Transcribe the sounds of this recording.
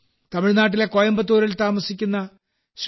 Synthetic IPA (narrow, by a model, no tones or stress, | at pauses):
t̪ɐmiɻnaːʈ̬ːilekojɐmbɐt̪̬ːuːɾɐlt̪aːmɐsikʲːunːɐ | ɕ